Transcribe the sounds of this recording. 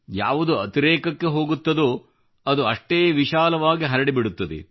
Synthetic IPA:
ja̰ːʋud̪uɐt̪iɾeːkɐkːe̞ɦo̞ːɡut̪ːɐd̪u | ɐd̪uɐʂʈeːʋiʃaːlɐʋaːɡiɦɐɾɐɽibiɽut̪ːɐd̪ḛ

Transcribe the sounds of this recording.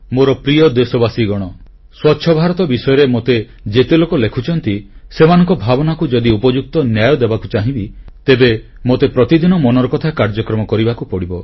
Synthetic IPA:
moɾɔpɾijɔd̪esɔbasiɡɔɽ̃ɔ | swɔtːʃʰɔbʱaɾɔt̪ɔbisɔjɔɾemot̪e | d͡ʒet̪elokɔlekʰut͡ʃʰɔnt̪isemanɔ̃ŋkɔbʱabɔnakud͡ʒɔd̪iupɔd͡ʒuk̚t̪ɔnjajɔd̪ebakut͡ʃaɦĩbit̪ebe | mot̪epɾɔt̪id̪ʱinɔmɔnɔɾɔkɔt̪ʰakaɾd͡ʒɔkɾɔmɔkɔɾibakupɔɽibɔ

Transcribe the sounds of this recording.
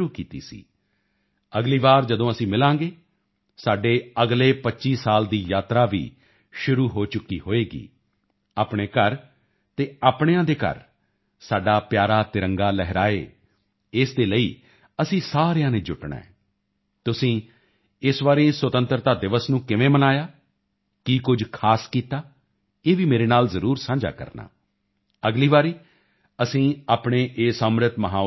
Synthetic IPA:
uːkiːt̪ḭːsḭː | əɡliːʋaːɾd͡ʒəd̪õːəsĩːmɪlãːŋɡeː | saːɖeːəɡleːpətːʃiːsaːld̪iːjaːt̪ɾaːʋḭː | ʃʊɾuːɦoːt͡ʃʊkːḭːɦoːeːɡḭː | aːpɳeːkəɾ | t̪eːaːpɳejãːd̪eːkə̰ɾ | saːɖaːpjaːɾaːt̪ɪɾəŋɡaːlɛɦɾaːeː | ɪsd̪eːləiː | əsĩːsaːɾejãːneːd͡ʒʊʈɳã̰ːɛ̰ː | t̪ʊsĩː | ɪsʋaːɾẽːswət̪ə̃nt̪əɾt̪aːd̪ɪʋəsnũːkɪʋẽːmənaːjaː | kiːkʊd͡ʒkʰaːskiːt̪aː | eːʋiːmeːɾeːnaːlzəɾuːɾsãːɲd͡ʒa̰ːkə̰ɾna̰ː | əɡliːʋaːɾiː | əsĩːaːpɳeːʔeːsəmɾət̪məɦãː

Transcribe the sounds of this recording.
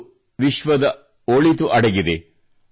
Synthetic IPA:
ʋiʃʋɐd̪ɐ | oɭit̪uʔɐɽɐɡid̪e

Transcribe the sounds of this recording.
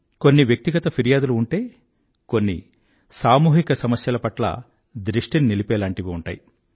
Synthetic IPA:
ko̞nːiʋjɐk̚t̪iɡɐt̪ɐpʰiɾijaːd̪uluuɳʈe̞ː | ko̞nːḭ | saːmuːɦikɐsɐmɐsjɐlɐpɐʈlɐ̰ | d̪ɾiʂʈininilipɛːlaːɳʈiʋiuɳʈa̰ːji

